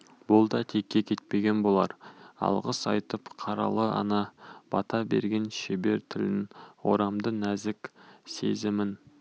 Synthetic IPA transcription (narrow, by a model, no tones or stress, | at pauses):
bʊlˠd̪ɑt̪ʰe̞kʲːe̞kʲʰe̞t̪̚pe̞ɡʲe̞nbo̞lˠɑɾɑ̰lˠʁəsɑjt̪əpqʰɑɾɑ̰lˠəɑ̰nɑb̥ɑt̪ɑbe̞̰ɾɡʲe̞nʃebe̞ɾt̪ʰɪlɪnwo̞̰ɾɑmd̪ənæzɪkʲse̞̰zɪmɪn